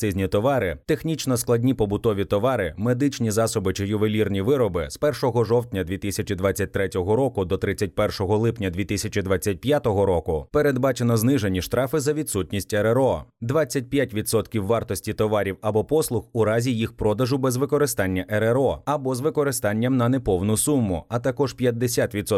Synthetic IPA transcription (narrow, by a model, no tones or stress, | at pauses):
sɪzʲnʲit̪ɔʋɑɾɪt̪e̞xnʲit͡ʃnɔsklˠɐdʲnʲipɔbʊt̪ɔʋʲit̪ɔʋɑɾɪmed̪ɪt͡ʃnʲizɑsɔbɪt͡ʃɪjʊʋelʲirnʲiʋɪɾɔbɪspɛrʃɔɦɔʒɔwt̪ʲnʲɐd̪ʲʋʲit̪isʲɐt͡ʃid̪ʋat͡sʲːɐt̚ʲt̪ɾɛtʲɔɦɔɾɔkʊd̪ɔt̪ɾɪt͡sʲːɐt̚ʲpɛrʃɔɦɔlˠɪpnʲɐd̪ʲʋʲit̪ɪsʲɐt͡ʃid̪ʋat͡sʲːɐt̚ʲpjat̪ɔɦɔɾɔkʊpeɾe̞d̪bɑt͡ʃenɔznɪʒe̞nʲiʃt̪ɾɑfɪzɐʋʲid̪sutʲnʲisʲtʲɛɾeɾɔd̪ʋat͡sʲːɐt̚ʲpʲjatʲʋʲid̪sɔt̪kʲiwːɑrt̪ɔsʲtʲit̪ɔʋɑɾʲiwɐbɔpɔslˠʊxʊɾɑzʲijixpɾɔd̪ɐʒʊbɛzʋɪkɔɾɪst̪ɑnʲːɐʔɛɾeɾɔɐbɔzʋɪkɔɾɪst̪ɑnʲːɐmnɐnepɔwnʊsumːʊɐt̪ɐkɔʒpʲjɐd̪ːesʲat̪ʋʲit̪sɔ